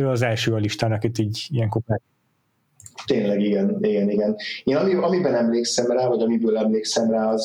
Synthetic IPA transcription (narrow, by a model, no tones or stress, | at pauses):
øːɒzɛlʃøːɒliʃt̪aːnɒkit̪ːiːɟijɛŋkopraː | t̪eːnlɛɡiɡɛniɡɛniɡɛneːnɒmiɒmibɛnɛmleːksɛmraːvɒɟɒmibøːlɛmleːksɛmraːɒz